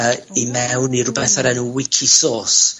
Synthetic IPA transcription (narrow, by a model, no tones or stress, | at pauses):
imɛwniɾʊbɛθaɾɛnuwɪkʰisoːs